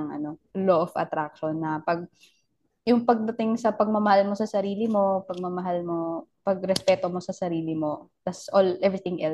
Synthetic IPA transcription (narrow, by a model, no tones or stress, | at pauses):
ŋʔɐ̰no̞loʔofɐ̰t̪ɾak̚ʃonːɐpɐɡ̚ | jʊŋpɐɡ̚d̪ɐt̪ɪŋsɐpɐɡ̚mɐmɐhalmo̞sɐsɐɾiːlɪmo̞pɐɡ̚mɐmɐɦalmopɐɡ̚ɾɛspɛːt̪omo̞sɐsɐɾiːlɪmo̞d̪̥ɐt̪sʔolʔɛvɹɪt̪ɪŋʔɛl